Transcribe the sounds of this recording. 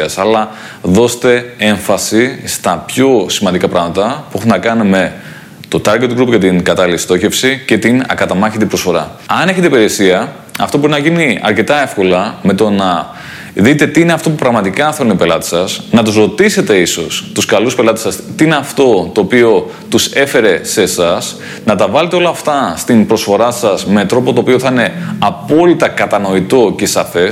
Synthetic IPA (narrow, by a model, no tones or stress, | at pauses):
ɐsɐlɐ | ðo̞se̥t̪e̞e̞ɱfɐsist̪ɐpço̞simɐnd̪ikɐpɾɐɣmɐt̪ɐpuexunnɐkɐnume̞ | t̪o̞t̪ɐɾɡet̪ɡɾupcɐt̪iŋɡɐt̪ɐliist̪o̞çe̞fsice̞t̪inɐ̰kɐt̪ɐmɐçet̪ipɾo̞sfo̞ɾɐ | ɐne̞çet̪eipeɾiesiɐ | ɐ̰ft̪obo̞ɾinɐʝiniɐ̰ɾce̞t̪ɐe̞fko̞lɐme̞t̪o̞nɐ | ðit̪e̞t̪iine̞ɐft̪o̞p̬upɾɐɣmɐt̪ikɐθeonipe̞lɐt̪e̥sɐsnɐt̪uzɾo̞t̪ise̞t̪e̞iso̞st̪uskɐluspe̞lɐt̪esɐst̪iineɐft̪o̞t̪oːpio̞ | t̪use̞fe̞ɾe̞se̞sɐs | nɐt̪ɐvɐle̞t̪eo̞lɐːft̪ɐst̪inpɾo̞sfo̞ɾɐsɐsme̞t̪ɾo̞po̞t̪oːpio̞θɐine̞ɐpo̞lit̪ɐkɐt̪ɐno̞it̪o̞ce̞sɐfe̞s